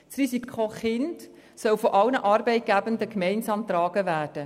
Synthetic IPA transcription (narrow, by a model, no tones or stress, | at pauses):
srisikʰoχɪnt | sœwfɔʔɑwnəʔɑɾbɛɪt̚ɡ̥æbəndəkmɛɪnsɑːmt̪ɾɑːɡ̥əʋæːrd̥ə